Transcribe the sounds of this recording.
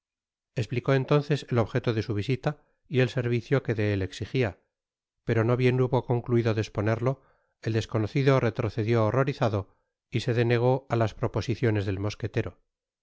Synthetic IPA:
espliko̞e̞nt̪o̞nθe̞se̞lo̞βxe̞t̪o̞ðe̞suβ̞isit̪a | ie̞lse̞ɾβiθjo̞ke̞ðe̞eleksixia | pe̞ɾo̞no̞βje̞nuβo̞ko̞ŋkluiðo̞ðe̞spo̞ne̞ɾlo̞ | eld̪e̞sko̞noθiðore̞t̪ɾo̞θe̞ðjo̞ːro̞ɾiθaðo̞ | ise̞ðe̞ne̞ɣ̞o̞alaspɾo̞po̞siθjo̞nezðelmo̞ske̞t̪e̞ɾo̞

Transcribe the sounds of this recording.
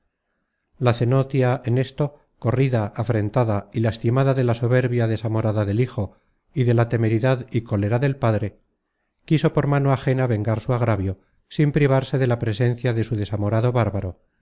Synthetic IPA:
laθe̞no̞t̪jaʔene̞st̪o̞ | ko̞riðaʔːfɾe̞nt̪aðailast̪imaðaðe̞laso̞βe̞ɾβjaðe̞samo̞ɾaðaðe̞lixo̞ | iðe̞lat̪e̞me̞ɾiðaðiko̞le̞ɾaðe̞lpaðɾe̞ | kiso̞po̞ɾmanoaxe̞naβe̞ŋɡaɾsuaɣɾaβjo̞ | simpɾiβ̞aɾse̞ðe̞lapɾe̞se̞n̟θjaðe̞suðe̞samo̞ɾaðo̞βaɾβaɾo̞

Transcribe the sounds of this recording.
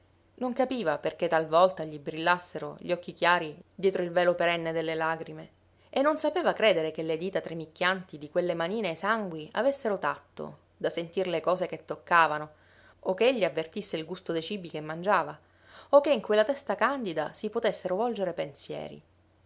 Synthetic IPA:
noŋkapiːvaperket̪ːalvɔlt̪aʎibɾilːasːeɾo̰ʎːɔkːikjaːɾid̪jɛːt̪ɾoilvɛːlopeɾɛnːed̪elːelaːɡɾime | enːonsapeːvakɾeːd̪eɾekelːed̪iːt̪at̪ɾemikːjant̪id̪ikwelːemaniːneːsaŋɡwia̰vesːeɾot̪at̪ːo̰ | d̪asent̪irlekɔːzeket̪ːokːaːvano | okːeeʎːiavːert̪isːeilɡust̪od̪et͡ʃiːbikemːand͡ʒaːva | okːeiŋkwelːat̪ɛst̪akand̪id̪a̰sipot̪esːeɾovɔld͡ʒeɾepensjɛ̰ːɾḭ

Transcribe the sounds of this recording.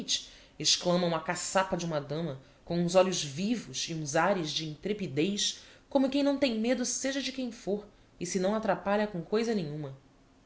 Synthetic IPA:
t͡ʃ | ɪʃklɐ̃mɐũmɐkasapɐd͡ʒiũmɐd̪ɐ̃mɐ | kõũzɔlʊʒvivʊʃiũzaɾɪzd͡ʒɪĩnt̪ɾepid̪ejʃkõmʊkẽj̃nɐ̃w̃t̪ẽj̃med̪ʊseʒɐd͡ʒɪkẽj̃foɾ | ɪsɪnɐ̃w̃at̪ɾapaʎɐkõw̃kojzɐnẽɲũmɐ

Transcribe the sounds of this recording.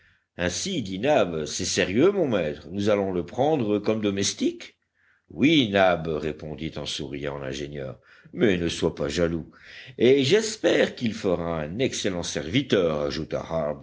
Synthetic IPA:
ɛ̃sid̪inabsɛseʁjømɔ̃mɛt̪χənuzalɔ̃ləpχɑ̃d̪ʁəkɔmd̪ɔmɛst̪ik | winabʁepɔ̃d̪it̪ɑ̃suʁijɑ̃lɛ̰̃ʒenjœ̰ːʁ | mɛnəswapaʒalueʒɛspɛʁkilfəʁaɛ̃nɛkselɑ̃sɛʁvit̪œːʁa̰ʒut̪a̰haʁb

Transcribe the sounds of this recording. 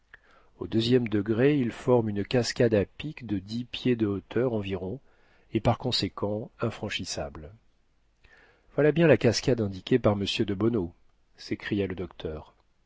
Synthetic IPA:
od̪øzjɛmd̪əɡʁeilfɔʁmynkaskʲad̪apikd̪əd̪ipjed̪əot̪ʰœʁɑ̃viʁɔ̃ | epaʁkɔ̃sekʰɑ̃ɛ̃fχɑ̃ʃisabl | vwalabjɛ̃lakaskad̪ɛ̃d̪ikʲepaʁməsjød̪əbɔno | sekχijaləd̪ɔkt̪ʰœːʁ

